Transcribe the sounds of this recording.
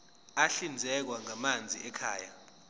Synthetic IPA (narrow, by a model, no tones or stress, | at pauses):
aɬind͡zʱɛk̬waŋamand͡zʱḭɛkʰaːja